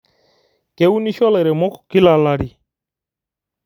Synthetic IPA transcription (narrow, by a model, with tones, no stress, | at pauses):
kɛ˨u˦ni˦ʃɔ˦lɛ˨ɾɛ˨mɔ˦kki˦la˨la˦ɾi˨